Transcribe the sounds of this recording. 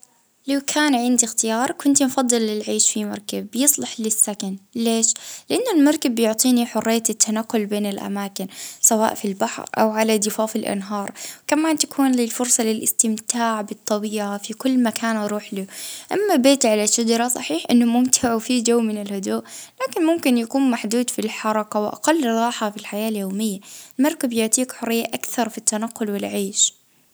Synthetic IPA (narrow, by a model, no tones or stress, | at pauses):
lawkʰaːnʕɪnd̪ixt̪ɪjɑːɾˤkʊnt̪mfɑd̪ˤːɨlːɪlʕiːʃfimɑ̰ɾˤkabːjɨsˤlɑħlɪsːakanleːʃlɪʔanːʊlmɑɾˤkabːjʊʕt̪ˤiːniħʊrˤːɪjːat̪ɪt̪ːanaqːʊlbeːnɪlʔa̰maːkɪnsawa̰ːʔfilbaħɾʔa̰wʕalad̪ɪfaːfɪlʔa̰nɦɑːɾˤwkamaːnt̪ḁkʰuːnlɪlfʊɾsˤɑlɪlʔɪst̪ɪmt̪aːʕbɨt̪ˤːɑbiːʕafikʊlːmakʰaːnʔɑɾˤuːħlɪʔamːabeːt̪ʕalaʃːad͡ʒɑɾˤɑsˤɑħiːħʔɪnːʊmʊmt̪ʰɪʕwfid͡ʒawːmɪnɪlhʊd̪uːʔlaːkɪnmʊmkɪnjakuːnmaħd̪uːd̪filħɑɾˤɑkawʔa̰qalːɾˤɑːħafilħajaːljoːmɪjːaɪlmɑɾˤkabjʊʕt̪iːkħʊrːɪjːaʔakθɑɾˤfit̪ːanaqːʊlwɪlʕeːʃ